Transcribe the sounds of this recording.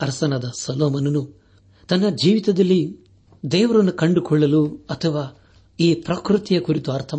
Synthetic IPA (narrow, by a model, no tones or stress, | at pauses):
ɐɾsɐnɐd̪ɐsɐloːmɐnɐnu | t̪ɐnːɐd͡ʒiːʋit̪ɐd̪ɐlːi | d̪ɛːʋɐɾɐnːukɐɳɖukɔɭːɐluɐt̪ʰɐʋaː | iːpɾɐkɾut̪ijɐkuɾit̪uɐɾt̪ʰɐ